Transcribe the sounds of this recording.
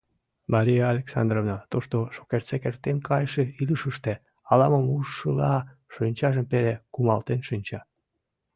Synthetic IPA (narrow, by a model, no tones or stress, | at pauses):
mɑɾijaːlʲeksɑ̰nd̪rovnɑt̪oʃt̪oʃo̥kert͡sekert̪enkʰɑjʃeiləʃəʃt̪e | ɑlɑməmuʃʃəlɑʃynʲt͡ɕɑʒəmpelekumɑlt̪enʃynʲt͡ɕɑ